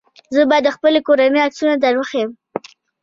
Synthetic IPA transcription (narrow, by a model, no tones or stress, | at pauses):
zəbɑjd̪ːəxpəlekoɾaneaksunad̪aɾwəxajəm